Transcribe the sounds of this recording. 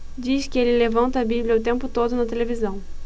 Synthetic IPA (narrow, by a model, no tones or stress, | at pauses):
d͡ʒiskɪelɪlevɐ̃nt̪ɐbibljɐʊt̪ẽmpʊt̪od̪ʊnɐt̪elevizɐ̃w̃